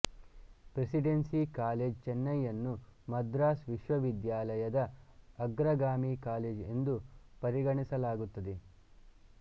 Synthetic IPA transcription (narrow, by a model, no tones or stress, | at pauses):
pɾesiɖensikaːleːd͡ʒt͡ʃɛnːɐjːɐnːumɐd̪ɾaːsʋiʃʋɐʋid̪jaːlɐjɐd̪ɐɐɡɾɐɡaːmiːkaːleːd͡ʒe̞̰nd̪upɐɾiɡɐɳisɐlaːɡut̪ːɐd̪e